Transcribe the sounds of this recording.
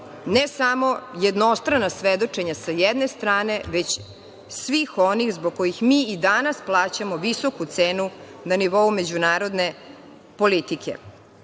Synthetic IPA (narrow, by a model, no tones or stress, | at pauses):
nesamo̞jed̪no̞st̪ɾanasʋed̪o̞t͡ʃe̞ɲasajed̪ne̞st̪ɾaːne̞ʋet͡ɕ | sʋixo̞nixzboɡ̚kojixmiːid̪anasplˠaːt͡ɕamo̞ʋisokut̪seːnunaniʋo̞ume̞d͡ʑunaːɾo̞d̪ne̞ | po̞lit̪ikʰḛ